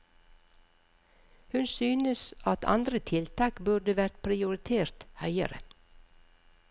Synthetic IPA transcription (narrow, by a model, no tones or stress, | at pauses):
hʉnsyːnəsʔɑt̪ʰɑ̰nd̪ɾət̪ʰɪlt̪ʰɑːkbʉɖ̪əʋæɾt̪pʰɾɪʊɾɪt̪ʰeːɾt̪hœʏə̰ɾə̰